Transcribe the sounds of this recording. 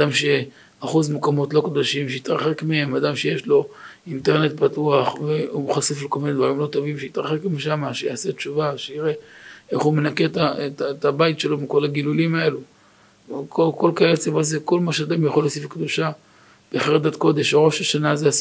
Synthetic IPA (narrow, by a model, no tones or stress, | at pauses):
ad̪amʃe | aχuzmukamo̞tlo̞kod̪oʃimʃejit̪ʁaχe̞kmehemad̪amʃeje̞ʃlo̞ | int̪eʁne̞t̪̚patuaχveuχaseflekolmined̪vaʁimlo̞t̪o̞vimʃeit̪ʁaχe̞kmiʃamaʃejaːse̞t͡ʃuvaʃeiʁe̞e̞χhume̞nake̞tatat̪abaitʃe̞lo̞miko̞laɡilulimae̞lu | koko̞lkaelt͡sevazeko̞lmaʃead̪amjaχolːosifkd̪uʃa | b̥eaχed̪at̪ko̞d̪e̞ʃʁo̞ʃaʃanazeas